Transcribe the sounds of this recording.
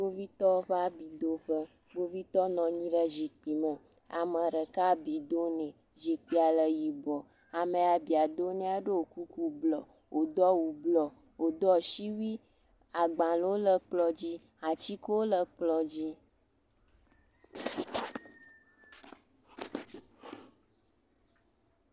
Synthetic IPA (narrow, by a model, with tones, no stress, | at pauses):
bo˦vi˦t̪ɔ˦ɸa˦bi˨d̪o˦ɸə˦ | ɡo˦vi˦t̪ɔ˦nɔ̃˨ɲĩ˦ɖə˦zi˨k͡pi˨mə̃˨ | a̰˨mə˨ɾə˨ka˦bi˨d̪o˦nẽ˨ | ʒi˨k͡pi˦a˨lə˨ji˨bɔ˨ | a˨mẽ˨a˨bi˨a˨d̪o˦nẽ˦a˦ɖe˦o˨ku˦ku˦blɔ˨ | wʔo˨d̪ɔ˦wu˨blɔ˨ | wo˨d̪ɔ˦˨ʃi˦wi˦ | a˨ɡ͡bã˨lwo˦lə˦k͡plɔ˨d͡ʑi˦ | a˨t͡ɕi˦ko˦wo˦lə˦k͡plɔ˨d͡ʑi˦